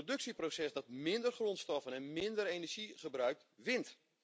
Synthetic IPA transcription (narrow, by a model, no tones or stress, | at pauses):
odɵksiprosɛsdɑtmɪndərχrontstɔfənɛnmɪndərejnɛrʒ̥iχəbrœɥk̚tʋɪnt